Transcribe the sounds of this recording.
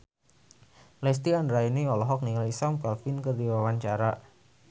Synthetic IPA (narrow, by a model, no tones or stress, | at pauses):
lɛst̪iandɾainiɔlɔɦɔk̚niŋajsamkalfɪnkərdiwawaɲt͡ʃaɾa